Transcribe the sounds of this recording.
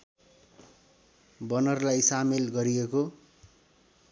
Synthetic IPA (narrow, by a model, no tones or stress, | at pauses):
bʌnʌrlajsamelɡʌɾieko